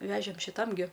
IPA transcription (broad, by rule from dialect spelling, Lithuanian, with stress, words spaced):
ˈʋʲæːʒʲeːm ʃʲɪˈtɐm ɡʲɪ